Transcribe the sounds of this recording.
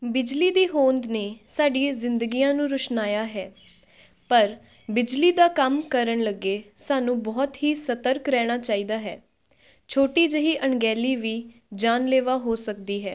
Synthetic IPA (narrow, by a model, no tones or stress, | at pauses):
bɪd͡ʒliːd̪iːɦoːnd̪neːsaːɖiːzɪnd̪əɡiːjãːnũːɾəʃnaːjaːɦɛː | pəɾ | bɪd͡ʒliːd̪aːkəmkəɾəɳləɡːeːsaːnũːbɔːt̪ɦiːsət̪əɾkɾɛːɽ̃aːt͡ʃaːiːd̪aːɦɛː | t͡ʃʰoːʈiːd͡ʒəɦiːʔəɳɡɛːliːʋiːd͡ʒaːnleːʋaːɦoːsəkd̪iːɦɛː